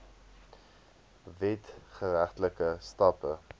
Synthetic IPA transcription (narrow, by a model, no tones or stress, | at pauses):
vɛtχəɾæχtləkəstɐpə